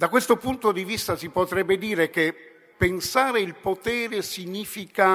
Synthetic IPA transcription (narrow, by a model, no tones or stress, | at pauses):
d̪akwest̪opunt̪od̪ivist̪asipot̪ɾɛbːed̪iːɾeke | pːensaːɾeilpot̪ɛːɾesiɲiːfika